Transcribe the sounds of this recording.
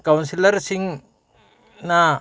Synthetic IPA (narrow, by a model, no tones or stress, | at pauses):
kawnsilɐɾsiŋ | na